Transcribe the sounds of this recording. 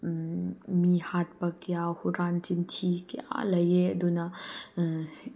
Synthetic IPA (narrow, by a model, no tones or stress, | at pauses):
mihat̪̚pɐkjahuɾant͡ʃimt̪ʰikja̰ləjed̪una